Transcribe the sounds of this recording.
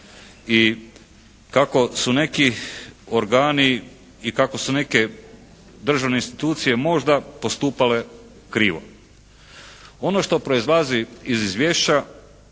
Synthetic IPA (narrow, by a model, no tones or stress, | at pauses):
i | kako̞sune̞kio̞ɾɡaːni | ikako̞sune̞ke̞ | d̪r̩ʒaʋneinst̪it̪uːt̪sije̞mo̞ʒd̪apo̞st̪uːpale̞ | kɾiːʋo̞̰ | o̞noʃt̪o̞pɾo̞izlˠaziizizʋje̞ːʃt͡ɕa